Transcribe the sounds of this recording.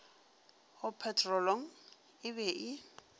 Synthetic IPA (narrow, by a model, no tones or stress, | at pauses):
hʊpʰɛtʼrɔloŋ̩ | ɪbɛʔɪ